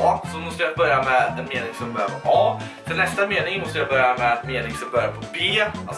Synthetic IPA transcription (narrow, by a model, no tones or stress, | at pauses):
sɔmɔst̪əjabœɾjamɛɛnmeːnɪŋsɔmbœɾjapʰɔʔɑː | fənɛst̪ameːnɪŋmɔst̪əjabœɾjamɛɛnmeːnɪŋsɔmbœɾjapʰɔbeːa